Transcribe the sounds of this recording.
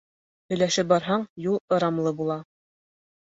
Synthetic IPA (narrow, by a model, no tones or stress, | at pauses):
hɵ̆jlæʃɘp̚bɑɾɦɑɴjulˠɤ̆ɾɑmlˠɤbulˠɑ